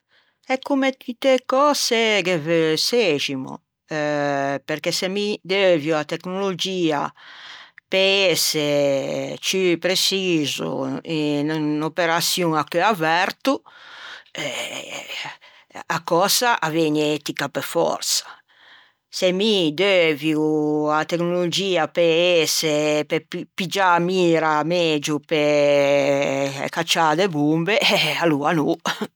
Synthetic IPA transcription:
ɛkːumeit̪ekɔseɡeveseʒimo̰ | peɾkesemid̪evjoat̪eknolod͡ʒiːa̰ | pese | t͡ʃipɾesizṵinnopeɾasjuŋakøavɛɾt̪u | ɛ | akɔsaʔavɛɲɛt̪ikapefɔ̰ɾsḁ | semid̪øvjuat̪eknolod͡ʒiːapeɛsepeipid͡ʒamiːɾamɛd͡ʒupe | kat͡ʃːad̪ebumbealuanu

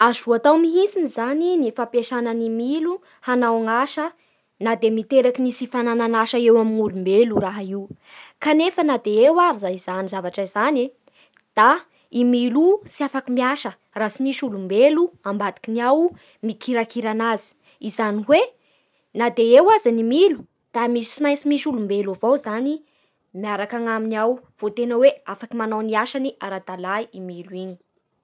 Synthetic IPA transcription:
azuat̪awmiɦinsinizaninifapeʃananimilu | hanawaŋaʃə | nad̪emit̪eɾakinisifanananaʃəewaminulumbeluraɦaiw | kanefənad̪eewaɾizaiz̥anizavaʈ͡ʂəizane | d̪̥a | imilusiafakimiaʃə | rasimiʃulumbeluambad̪i̥kinaw | mikʰiɾakiɾanazi̥ | izaniwe | nad̪eewazanimilu̥ | d̪̥amisi̥simajnsimisulumbelavowzani | miaɾakaŋaminiawv̥ot̪enəweafakimanawniaʃaniʔaɾad̪alaiimiluiɲi̥

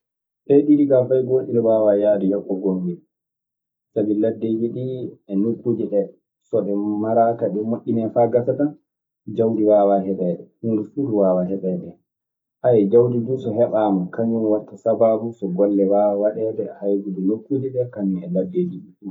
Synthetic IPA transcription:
ʔɛɗiɾiɡafajɡoːɗinɛwawajaːɗɛjɔkːɔɡonɡɛ | sabiladːewiɗiɛnokːud͡ʒiɗɛ | sɔʔɛmaɾakaɗɛmaʔːinɛfaɡatatan | d͡ʒawdiwawaɦɛɓɛɗɛhundufuduwawaɦɛɓɛɗɛ | ʔajɛd͡ʒawdidusɔhɛɓaːmakaɲːumwatːasabaɾusɔɡɔlːɛwaawaɗɛdɛhajɡudunokːud͡ʒiɗɛkaɲɛɛladːewiɗiɗu

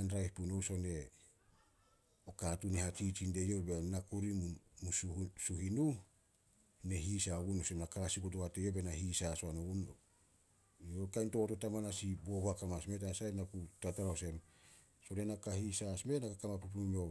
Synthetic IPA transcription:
anɾajhpunoso̞ne̞ | okatunehatit͡ʃinde̞jobenakuɾimmussuhinu | neɦisaoɡunosemnakasikot̬uhatejobenaɦisasoanoɡun | okajntototamanasiboboakamasmetasajnakutataɾaose̞m | so̞ne̞nakahisasme̞nakakamapup̬numo

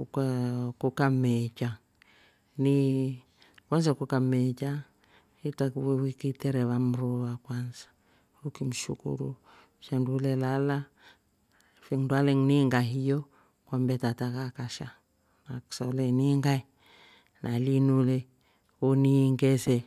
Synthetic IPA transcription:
kakukamɛt͡ʃa | ni | kanzakukamɛt͡ʃa | itakwɛwikitɛɾɛβam̩ɾɔβakwanzḁ | ukim̩ʃṵkṵɾṵ | ʃɛndulɛlala | fiŋdwalɛŋniŋɡaɦijɔ | kwambɛtatakakaʃa | naksalɛniŋɡai | nʔalinulɛ | uniŋɡɛsɛ

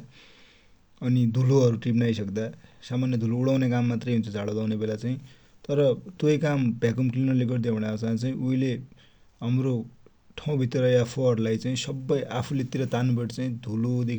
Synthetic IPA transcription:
ʌnid̪ʱuloʌɾuʈripnajsʌkd̪asamanjʌd̪ʱuloːɽawnekamːat̪rʌjɦunt͡sʰʌd͡zʱaɭod̪awnebelat͡saĩ | t̪ʌɾʌt̪ojkambʱjakʌmklinʌleɡʌrd̪ibʱʌɽ̃asat͡saĩʔuile | ɦamro | ʈʰaw̃bʱit̪ʌɾʌeapʰoʌrulajt͡saĩsʌbːʌjʔapʰulet̪iɾʌt̪anbeʈt͡saĩd̪ʱulod̪e

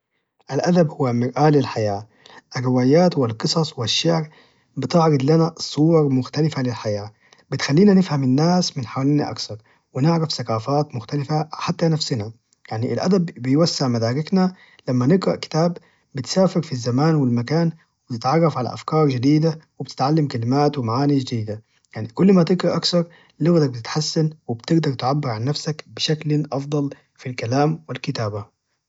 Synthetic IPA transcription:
ʔalʔad̪abhʊwːamɪɾʔaːlɪlħajaː | ʔarːɪwaːjaːt̪wɪlqɨsˤɑsˤwɪʃːɪʕɾ | bɪt̪ɪʕɾɑd̪ˤlanasˤuːɾɑɾmʊxt̪alɪfalɪlħajaː | bɪt̪xalːiːnanɪfhamɪnːaːsmɪnħawaliːnaʔa̰kθɑɾˤ | wɪnɪʕɾafsakaːfaːt̪mʊxt̪alɪfaħat̪ːanafsɪna | jaʕniʔɪlʔa̰d̪abbɪjwasːɪʕmad̪aːɾɪkna | lamːanɪɡɾɑ̰ʔkɪ̥t̪aːb | bɪt̪saːfɪɾfizːamaːnwɪlmakaːn | wɪbt̪ɪt̪ʕɑrˤːɑfʕala̰ʔa̰fkɑːɾˤd͡ʒɪd̪iːd̪awɪbt̪ɪ̥t̪ʕalːamkalɪmaːt̪wɪmaʕaːnid͡ʒɪd̪iːd̪a | jaʕnikʊlːmat̪ɪɡɾɑʔakθɑɾˤ | lʊɣd̪ak̚bɪt̪ɪt̪ħasːanwɪbt̪ɪɡd̪ɑɾˤt̪ʕabːɪɾʕanːafsakbɪʃaklʔɑfd̪ˤɑl | filkalaːmwɪlkɪt̪aːba

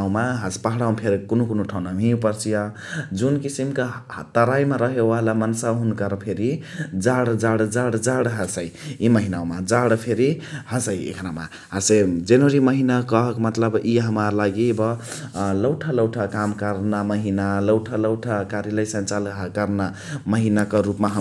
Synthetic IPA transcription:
wmaɦaspaɦɽawpʰeɾikunokunoʈʰanamʱĩpʌɾt͡sʰijʌ | d͡zunkisimkat̪ʌɾajmaɾʌɦewalamʌnsaɦunkʌɾpʰeɾi | d͡zaɽd͡zaɽd͡zaɽd͡zaɽɦʌsajimʌɦinaõmad͡zaɽpʰeɾihasəjḛkʰɾama̰ | ɦased͡ʒenəɾiməɦinakʌɦkmət̪ləbiɦəmaɾlaɡibʌ | ləwʈʰaləwʈʰakamkʌɾnaməɦinaləwʈʰaləwʈʰakaɾjaləjsənt͡ʃalkʌɾna | məɦinakʌɾupmaɦ

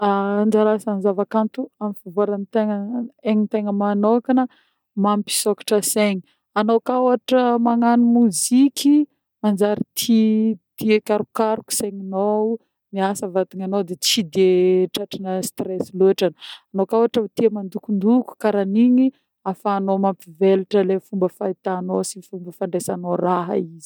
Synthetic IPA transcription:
and͡ʒaɾasanzavakant̪uamifavoaɾanit̪eŋəeɲint̪eŋəmanokanə | mampi̥sokḁʈ͡ʂəseɲi̥ | anokawaʈ͡ʂəmaŋanimuzikʲi | mand͡ʒaɾit̪ʰit̪iekaɾukaɾuku̥seɲino | miasəvat̪iɲanod̪et͡sid̪eʈ͡ʂaʈ͡ʂinəst̪resileʈ͡ʂananokawaʈ͡ʂəut̪iamand̪ukund̪uku̥kaɾaniɲi | afaːnomampiveluʈ͡ʂəlefumbəfait̪anosifumbəfaɳɖ͡ʐesanoraɦə̰izi̥

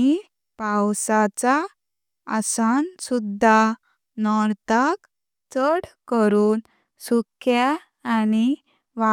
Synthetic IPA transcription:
i | pawsat͡saː | sansud̪ʱːa | nɔɾt̪ak | t͡səɽkəɾuːn | sukʰjaː | ni | ʋa

